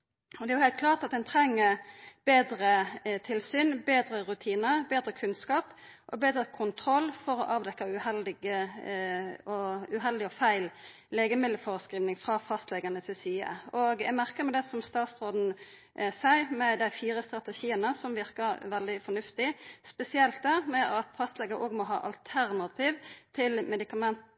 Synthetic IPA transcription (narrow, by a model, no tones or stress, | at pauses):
ɔd̪ɛæjʊhæɪt̪kʰlɑːʁt̪ɑt̪̚d̪ɛnt̪ʰʁɛŋːəb̥eːd̪ɾət̪ʰɪlsyːnbeːd̪ɾəʁʉt̪ʰiːnəbeːd̪ʁəkʰʉnskɑːp | ʔɔbeːd̪ʁəkʰʊnt̪ʰɾɔlːfɔɾɔʔɑːʋd̪ɛkːɑʉhɛld̪ɪɡə | ɔʉɦɛld̪ɪɔfæɪl | leːɡəmɪd̪ləfoːʁəskɾiːʋnɪŋfʁɑːfɑst̪lɛɡɑnəsɪsyːə̰oɡæ̰mæʁkəmɛd̪ɛsɔmst̪ɑːt̪sʁoːd̪n̩ | sæɪmɛd̪æɪfiːʁəst̪ɾɑt̪ɛʃiːənəsɔmʋɪʁkəɾʋɛld̪ɪfɔnʉft̪ɪspɛsɪɛlt̪̚d̪ɛmɛɑt̪fɑst̪lɛɡəɾʔoːɡmɔɦɑ̰ːʔɑ̰lt̪ʰæɾnɑt̪ʰiːʋt̪ʰɪlmɛd̪ɪkɑmɛnt̪